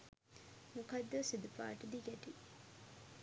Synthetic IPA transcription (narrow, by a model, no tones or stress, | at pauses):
mukad̪ːəsid̪upa̰ːʈəd̪iɡɛʈi